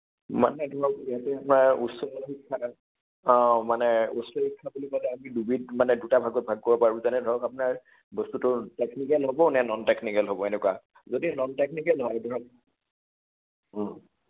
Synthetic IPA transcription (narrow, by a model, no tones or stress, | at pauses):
ma̰nɛdʱɔɹɔkijatɛapʊnaɹusɔɔlxikʰːa | ɔ̃manɛusɔhikʰːabulikalɛamidubitmanɛdutabʱaɡɔt̚bʱaɡ̚kɔbɔpaɹbuzanɛdʱɔɔkapʊnaɹ | bɔstutʊteknikɛlɦɔbɔnɛnɔntɛknikɛlɦɔbɔenɛkuwa | zodinɔnteknikɛlɦɔjdʱɔɹɔk̚ | ɔ